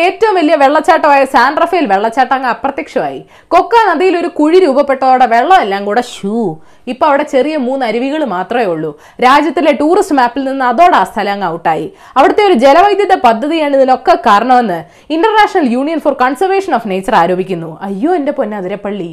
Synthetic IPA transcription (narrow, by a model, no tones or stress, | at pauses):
e̞ːtːɐʋumʋɐlijɐʋe̞ɭːɐt͡ɕːaːʈːɐʋaːjɐsaːnɖrɐfɐjilʋeɭːɐt͡ɕːaːʈːaŋːɐɐprɐt̪jɐkʂɐʋa̰ːjḭ | ko̞kːanɐðijilo̞ɾukuɻiɾuːbɐpːe̞ʈːɐðo̞ːɽeʋe̞ɭːɐmelːaːŋɡuːɽeɕuː | ipːoɭɐʋiɽe̞t͡ɕe̞rijɐmuːnːɨɐɾuʋiɣɐɭɨmaːt̪rɐmeuɭːu | ɾaːd͡ʑjɐt̪ːileʈuːrisʈmaːpːilninːɨɐðo̞ːɽeast̪ʰɐlɐŋːɐwuʈːaːjḭ | ɐʋiɽɐt̪ːe̞o̞ɾud͡ʑe̞lɐʋɐjd̪jɐðɐpɐd̪ʱːɐðijaːɳiðino̞kːekaːɾɐɳɐmenːɨ | iɳɖɐrnaːʂɐnɐljuːɳijɐnforkɐnsɐrʋeːʂɐnoːfnejt͡ɕːɐraːɾo̞ːbʱikʲːunːuɐjːo̞ːende̞ponːeɐðiɾepːɐɭːi